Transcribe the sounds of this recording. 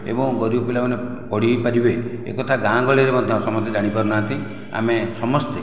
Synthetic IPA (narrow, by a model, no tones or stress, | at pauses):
ḛbɔ̃ŋɡɔɾiɔpilamɔne | pɔɽ̤ipaɾibeḛkɔt̪ʰaɡãɡɔɭiɾemɔd̪ʱjɔ̃sɔmɔst̪ed͡ʒaɽ̃ipaɾunaɦant̪i | a̰mesɔmɔst̪e